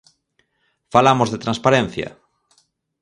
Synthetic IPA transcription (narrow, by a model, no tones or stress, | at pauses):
falamozðet̪ɾãnspaɾẽn̟θjɐ̰